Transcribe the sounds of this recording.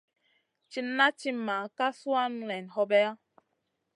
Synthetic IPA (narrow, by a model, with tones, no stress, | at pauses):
t͡ʃi˦na˦t͡ʃi˦ma˨ka˦swa˦n˨lɛ˨nhɔ˧bɛ˦a˦